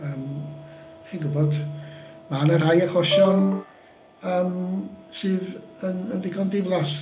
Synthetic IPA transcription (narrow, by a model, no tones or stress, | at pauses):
əːm | χinɡʊbɔd̥ | manəɾajaχɔʃɔn | əːmsɨːðənənvɪɡɔndɪvlˠas